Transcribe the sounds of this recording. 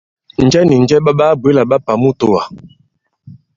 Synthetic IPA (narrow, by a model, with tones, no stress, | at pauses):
n̩˨d͡ʒɛ˦ni˨n̩˦d͡ʒɛ˦ɓa˦ɓa˦bwe˦la˨ɓa˦pa˨mu˦to˦˨wa˨